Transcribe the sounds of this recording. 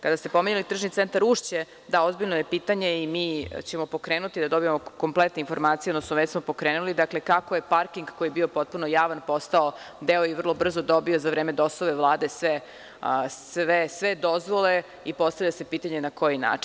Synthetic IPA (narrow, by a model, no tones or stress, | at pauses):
kad̪ast̪e̞pomeɲelit̪r̩ʒnit̪ent̪aɾuʂt͡ɕe | d̪aozbiʎnoje̞piːt̪aɲe̞imiːt͡ɕemo̞po̞kɾeːnut̪id̪ad̪o̞bijemoko̞mplet̪neinfo̞ɾmaːt̪sijed̪nosmoʋesmo̞po̞kɾeːnulid̪akle̞kakoje̞paɾkiŋɡkojijebio̞po̞t̪̚punojaːʋanpo̞st̪ao | d̪eojiʋər̩lˠobr̩zod̪o̞bio̞zaʋɾeːmed̪osoʋeʋlˠaːd̪esʋe | sʋesʋed̪o̞zʋo̞le̞ | ipo̞st̪aʋʎase̞piːt̪aɲe̞nako̞jina̰ːt͡ʃin